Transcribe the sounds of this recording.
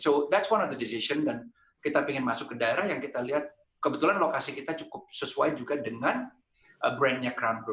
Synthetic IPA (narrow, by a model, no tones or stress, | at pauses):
sod̪ɛtswanɔfd̪ədisisəndan | kit̪apiŋɪnmasʊkːədaeɾahjaŋkit̪aliɦat̪̚ | kəbət̪ulanlokasikit̪at͡ʃukʊp̚səsua̰jd͡ʒuɡadəŋan | ʔəbɾɛnɲakɾambə